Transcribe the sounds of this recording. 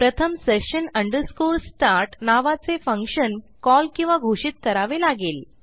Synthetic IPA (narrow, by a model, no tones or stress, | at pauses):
pɾət̪ʰəmseʂənəɳɖəɾskuɾsʈaɾʈnaʋat͡sefəŋkʂən | kɔlkĩw̃ʋaɡʱoʂit̪̚kəɾaʋelaɡeːl